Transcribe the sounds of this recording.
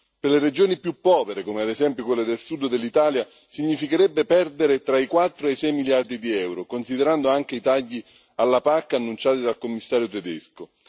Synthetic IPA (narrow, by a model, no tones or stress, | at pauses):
perlered͡ʒoːnipjupːɔːveɾekomead̪ezɛmpjokwelːed̪elsud̪d̪elːit̪aːlja | siɲːifikeɾɛbːepɛrd̪eɾet̪ɾaikwat̪ːɾoesɛjmiljard̪id̪iɛwɾokonsid̪eɾand̪oaŋk̟eit̪aʎːi | alːapakːanːunt͡ʃaːt̪id̪alkomːisːaːɾjot̪ed̪ɛsko